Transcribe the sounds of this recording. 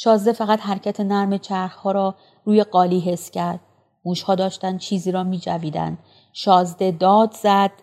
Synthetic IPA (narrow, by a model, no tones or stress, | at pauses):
ʃɒːzd̪efæɣæt̪hæɾcʰæt̪ʰe̞næɾme̞t͡ʃʰæɾxhɒːɾɒː | ɾuːje̞ɢɒːliːɦe̞scʰæɾd̪̥̚ | muːʃhɒːd̪ɒːʃt̪ænd̪t͡ʃʰiːziːɾɒːmiːd͡ʒæviːd̪æ̰nd̪̥ | ʃɒːzd̪e̞d̪ɒːd̪z̥æd̪̥